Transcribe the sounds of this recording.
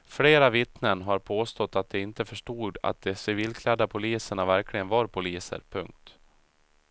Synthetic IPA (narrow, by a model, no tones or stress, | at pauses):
fleːɾavɪt̪nənɦaɾpʰoːst̪ɔt̪ːat̪̚d̪ɛɪnt̪əfœʂʈuːd̪a̰t̪̚d̪ɛsɪviːlkʰlɛd̪ːapʰʊliːsəɳavæɾklɪɡənvɑɾpʰʊliːsə̰ɾpʰɵŋk̚t̪